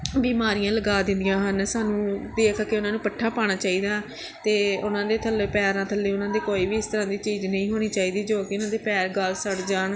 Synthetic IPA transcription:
biːmaːɾijãːləɡaːd̪ɪ̃nd̪ijãːɦənsaːnũːd̪eːkəkeʊnãːnũːpəʈʰːaːpaːɽ̃aːt͡ʃaːiːd̪aː | t̪eːʊnãːd̪eːt̪ʰəlːeːpɛːɾãːt̪ʰəlːeːʊnãːd̪eːkoːiːbiːɪst̪əɾãːd̪iːt͡ʃiːd͡ʒnəĩːɦoːɽ̃iːt͡ʃaːiːd̪iːd͡ʒoːkeʊnãːd̪eːpɛːɾɡəlsəɽd͡ʒaːɳ

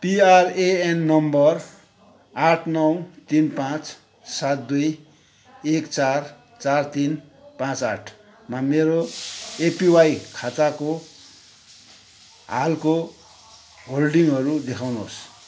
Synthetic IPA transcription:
piareenːʌmbʌr | aʈʰnʌwt̪inpãt͡s | sat̪̚d̪uj | ekt͡sar | t͡sart̪in | pãt͡saʈʰ | mameɾoepiwajkʰat̪ako | ɦa̰lko | ɦolɖiŋʌɾud̪ekʰawno̰s

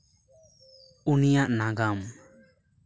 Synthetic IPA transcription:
unijaʔnaɡam

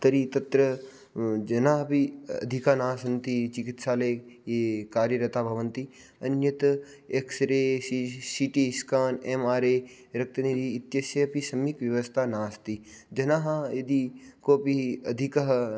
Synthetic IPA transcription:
t̪ɐɾit̪ɐt̪ɾə | d͡ʒɐnãːɦbiɐ̰d̪ʱikaːnaːsɐnt̪it͡ʃɪkɪt̪ʃaːleːjeːkaːɾjəɾɐt̪aːbʱɐʋənt̪i | ɐnjɐt̪ | ekʰsɾeːsisiʈiskaːnemaːɾeː | ɾɐk̚t̪ɐnid̪iːt̪jɐsɐpisɐmikʋjɐʋəst̪ʰaːnaːst̪iːd͡ʒɐnaːɦajed̪iːkoːpiɐd̪ʱikɐɦ

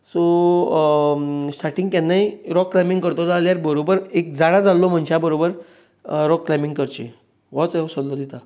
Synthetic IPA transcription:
so | sʈaɾʈĩŋɡkanːaiɾɔkːlajmĩŋɡkəɾt̪od͡zaljaɾbəɾobəɾek̚d͡zaɽad͡zalːom̤əɳɕʰabəɾobəɾ | ɾɔkːlajmiŋɡkəɾt͡ɕḛ | ʋɔt͡sesɔllod̪it̪a

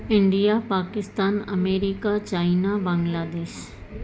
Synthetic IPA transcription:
ɪ̃ɳɖijapaːkɪst̪aːnɐ̰meːɾikat͡ʃaːɪnabãŋɡlaːd̪eːʃ

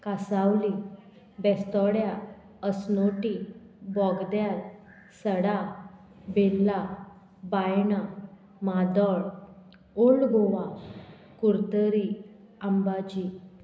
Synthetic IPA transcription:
kasawli | bɛst̪ɔɽja | əsnoʈi | bɔɡd̪jal | səɽa | belːa | bajɳa | mad̪ɔɭ | oɭɖɡʱoʋã | kuɾt̪əɾi | ambad͡ʑi

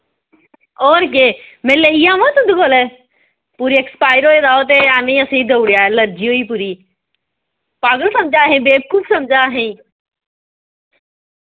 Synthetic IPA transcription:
oːɾkeːmeːleijãmɐ̃t̪ʊ̃d̪ʱuɡoːlɛ | puːɾiekspaːɪəɾɦoːed̪aːot̪̬eaːnĩɐsĩd̪ʱɐwɽijaːelɐɾd͡ʒioːiːpuːɾiː | paːɡəlsɐ̃md͡ʒaːɦẽːbeːb̚kʊbsɐmd͡ʒaːɦẽː

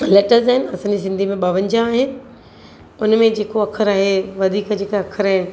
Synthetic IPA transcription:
leːʈəɾzaːɦɪnɪ̆ɐsãːɲd͡ʑis̬ɪ̃nd̪ʱimẽɓɐʋə̃ɲd͡ʑãːɦɪnɪ̆ | ʊnmẽd͡ʑeːkoɐkʰəɾaːɦeʋɐd̪ʱiːkd͡ʑeːkaɐkʰəɾaːɦɪnɪ̆

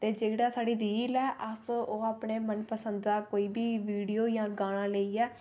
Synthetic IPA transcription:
t̪eːd͡ʒeːɽaːsaːɽiːɾiːlɛːʔəsoːaːpɳeːmənpəsənd̪aːkoːiːbiːʋiːɽijoːjãːɡaːɽ̃ãːləiːɛː

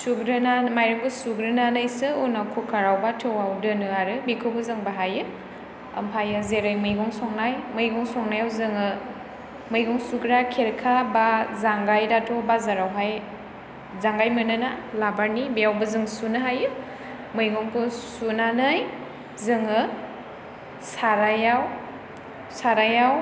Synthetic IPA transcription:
suɡɾɯnamajɾɯŋkɯsuɡɾɯnanajsɯunakʰukʰaɾawbatʰɯwawdɯnɯaɾɯbikʰɯwbɯzɯŋbaɦajɯ | ɐ̰mpʰajɯzeɾajmɯjɡɔŋsɔŋnajmɯjɡɔŋsɔŋnajawzɯŋɯ | mɯjɡɔŋsuɡɾakʰeɾkʰabazaŋɡajdatʰɔbazaɾawɦaj | zaŋɡajmɯnɯnalabaɾnibejawbɯzɯŋsunɯɦajɯ | mɯjɡɔŋpʰɯsunanɯj | zɯŋɯ | saɾajaw | saɾajaw

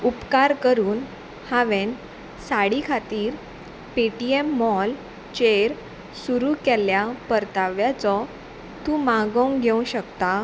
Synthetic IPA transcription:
upkaɾkəɾuːn | haʋen | saɽikʰat̪iːɾ | peʈiemːɔl | t͡ɕeɾ | suɾukɛljapəɾt̪aʋjat͡sɔ | t̪ũːmaɡɔ̃ŋɡʱeũɕəkt̪a

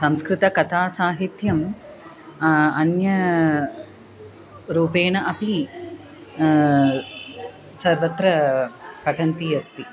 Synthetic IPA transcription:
sɐmskɾɪt̪ɐkɐt̪ʰaːsaːɦit̪jɐm | ɐnjɐ | ɾuːpeːɳɐʔɐpi | sɐɾʋɐt̪ɾɐpɐʈʰɐnt̪iːɐst̪i

